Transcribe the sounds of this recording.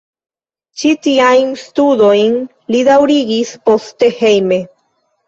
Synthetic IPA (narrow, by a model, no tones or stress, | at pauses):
t͡ʃit̪iajnst̪ud̪ojn | lid̪awɾiɡispost̪ehejme